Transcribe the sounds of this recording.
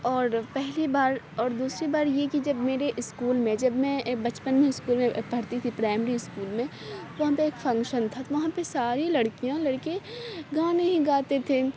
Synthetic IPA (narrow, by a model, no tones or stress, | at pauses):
ɔːɾpɛɦlibaːɾ | ɔːɾd̪uːsɾibaːɾjekid͡ʒɐbmeːɾeʔɪskuːlmẽd͡ʒɐbmɛ̃bɐt͡ʃpənmẽɪskuːlmẽpɐɽt̪it̪ʰipɾaːɪmɾiɪskuːlmẽ | ʋɐɦãpeeːkfɐ̃ŋkʃənt̪ʰat̪oʋɐɦãpesaːɾilɐɽkijãlɐɽkeɡaːneɦĩɡaːt̪et̪ʰe